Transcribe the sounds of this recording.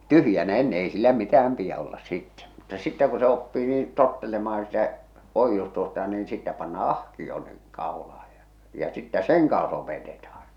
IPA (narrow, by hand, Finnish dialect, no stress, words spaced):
tyhjænæ enːe ei silːæ mitææm piæ olːɑs sitːɛ mutːɑ sitːæ ku opːiː niːn totːelemɑh̞ɑn sitæ oijːustustɑ niːn sitːæ pɑnːɑː ɑhˑkio niŋ kɑˑolɑh̞ɑj jɑ jɑ sitːæ seŋ kɑːɑ̃s opetetɑh̞ɑn